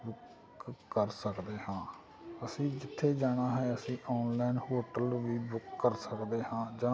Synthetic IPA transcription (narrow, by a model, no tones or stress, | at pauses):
bʊkː | əɾsəkd̪eːhãː | əsĩːd͡ʒɪt̪ʰːeːd͡ʒaːɽ̃aːɦɛːəsĩːʔɔːnlɛːnhoːʈəlʋiːbʊkːəɾsəkd̪eːhãːd͡ʒãː